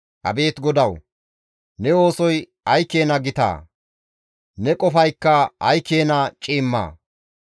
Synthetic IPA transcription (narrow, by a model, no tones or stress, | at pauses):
ʔɐ̰be̞ːt̪ɡɔd̪ɐw | nɛo̞ːsɔj | ɐjkːe̞ːnɐɡɪt̪a̰ː | nɛkʼɔfɐjkːɐɐjkːe̞ːnɐt͡ʃʼiːmːa̰ː